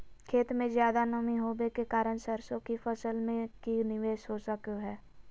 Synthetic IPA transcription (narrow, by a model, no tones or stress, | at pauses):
kʰeːt̪mẽzjaːd̪anəmiɦoːbekekaːɾəñsəɾsõkifʰəsəlmẽkinɪʋeːʃɦosəkoɦɛː